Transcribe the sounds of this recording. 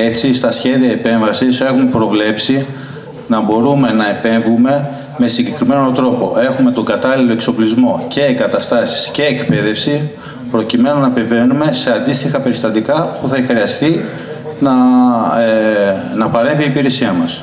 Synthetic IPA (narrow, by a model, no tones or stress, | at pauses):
e̞t͡sist̪ɐsçe̞ðiɐepe̞ɱvɐsise̞xume̞pɾo̞vle̞psi | nɐbo̞ɾume̞nɐepe̞ɱvume̞ | me̞siɲɟe̞kɾime̞no̞t̪ɾo̞po̞ʔe̞xume̞t̪o̞ŋɡɐt̪ɐlilo̞e̞kso̞plizmo̞ce̞ːɡɐt̪ɐst̪ɐsi̥sce̞ːkpe̞ðe̞fsi | pɾo̞cime̞nonɐpe̞ve̞nume̞se̞ɐnd̪ist̪ixɐpe̞ɾist̪ɐt̪ikɐpuθɐxɾiɐst̪i | nɐ | nɐpɐɾeviːpiɾe̞siɐmɐs